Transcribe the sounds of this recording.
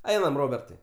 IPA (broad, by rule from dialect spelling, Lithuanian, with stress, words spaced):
ˈɛɪnɐm ˈroːbʲɛrtɐɪ